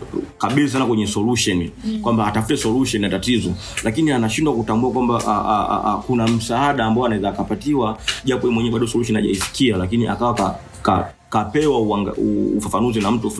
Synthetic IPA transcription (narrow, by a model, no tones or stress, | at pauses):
kaɓilis̬anakwɛɲɛsɔluʃɔnikwambaːtafutɛsɔluʃɔninatatizɔ | lakinianaʃindwakutambuakwambaʔ | kunam̩saaɗaːmbaɔanaɛzaːkapatiwaʄapɔimwɛɲɛɛɓaɗɔsɔluʃɔniha̰ʄa̰isi̥kialakiniʔa̰kawaka | ka | kapɛwauaauːfafanuzinam̩tuf